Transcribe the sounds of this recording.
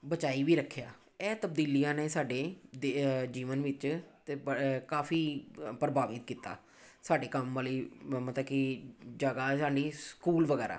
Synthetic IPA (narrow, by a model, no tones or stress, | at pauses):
bət͡ʃaːiːʋiːɾəkʰːjaː | ɛːt̪əb̚d̪iːlijãːneːsaːɖeːd̪ed͡ʒiːʋənʋɪt͡ʃt̪ekaːfʰiːpɾəbaːʋɪt̪̚kiːt̪a̰ː | saːɖeːkəmʋəːliːmət̪əbkɪd͡ʒəɡaːsaːɖiːskuːlʋəɡɛːɾa̰ː